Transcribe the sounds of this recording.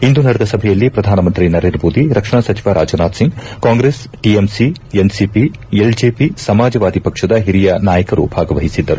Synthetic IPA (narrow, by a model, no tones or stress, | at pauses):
ind̪unɐɽɛd̪ɐsɐbʱɛjɐlːipɾɐd̪ʱaːnɐmɐnt̪ɾinɐɾend̪ɾɐmoːd̪iɾɐkʂɐɳɐsɐt͡ʃiʋaɾʔa̰ːd͡ʒɐnaːd̪siŋɡkaːŋɡɾeːs | ʈiemsiensipield͡ʒeːpisɐmaːd͡ʒɐʋaːd̪ʱipɐkʂɐd̪ɐɦiɾijɐnaːjɐkɐɾṵbʱaːɡɐʋɐɦisid̪ːɐɾu